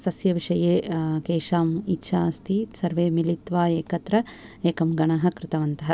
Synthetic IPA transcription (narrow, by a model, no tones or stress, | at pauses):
sɐsjɐʋiʂɐjeːkeːʂaːmitːʃʰaːst̪ʰisɐɾʋeːmilit̪ʋaːeːkɐt̪ɾɐeːkɐmɡɐɳɐɦɐ̆kɾɪt̪ɐʋɐnt̪ɐɦɐ